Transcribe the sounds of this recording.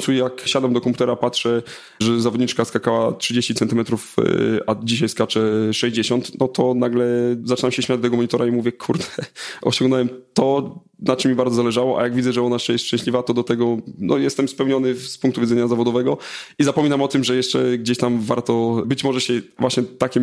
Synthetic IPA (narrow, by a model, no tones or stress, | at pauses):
tsujakɕad̪amd̪ɔkɔmpu̥t̪ɛɾapatʂɛ | ʐɛzavɔd̪ɲit͡ʂkaskakawatʂɘd͡ʑeɕt͡ɕit̪sɛnt̪ɘɨmɛt̪ɾufad͡ʑiɕajskat͡ʂɛʂɛʑd͡ʑeɕɔnt̪nɔt̪ʰɔnaɡlɛzat͡ʂɘnamɕɛɕmʲad͡ʑd̪t̪ɛɡɔmɔɲit̪ɔɾʔaimuvʲjɛkʰuɾd̪ɛɔ̰ɕɔ̃ŋɡnɔwɛmt̪ɔ | nat͡ʂɨmːibaɾd̪zɔzalɛʐawɔʔa̰jaɡvʲidzɛʐɛɔnaɛʂɛjɛst̪ʂt͡ʂɛ̃ɕlʲivat̪ɔd̪ɔt̪ɛɡɔnɔ̰jɛst̪ɛmspɛwɲɔnɘfspuŋkt̪uvʲidzɛɲazavɔd̪ɔvɛɡɔizapɔmʲinamɔt̪ɘmʐɛjɛʂt͡ʂɛɡd͡ʑeɕt̪amvaɾt̪ɔbɘt͡ɕmɔʐɛɕɛvwaɕɲɛt̪akʲɛ